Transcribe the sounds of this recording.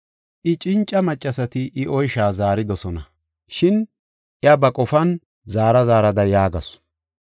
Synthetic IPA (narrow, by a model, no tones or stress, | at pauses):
ʔɪt͡ʃʼɪnt͡ʃʼːɐmɐt͡ʃʼːɐsɐt̪ɪʔɪʔɔjʃaːzaːɾɪd̪ɔsɔnɐ | ʃɪn | ʔɪɐbɐkʼɔfɐn | zaːɾɐzaːɾɐd̪ɐjaːɡɐs